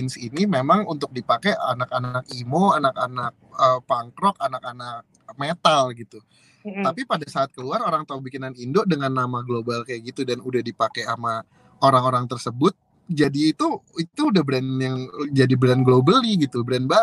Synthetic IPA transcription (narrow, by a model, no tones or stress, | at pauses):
ɪnsinimemaŋunt̪ʊk̚dipakɛa̰nakanakimoanakanak̚əpaŋkɾɔkanakanak̚met̪alɡit̪u | t̪apipadasaːt̪̚kəluaɾoɾaŋt̪ak̚bikinanindoʔdəŋanːamaɡlobalkajaʔɡit̪udanudahdipakeama | oɾaŋoɾaŋt̪ərsəbʊt̪̚ | d͡ʒadiːt̪uit̪uːdahbɾɛnjaŋd͡ʒadibɾanɡlobalɲɪɡit̪ubɾɛnba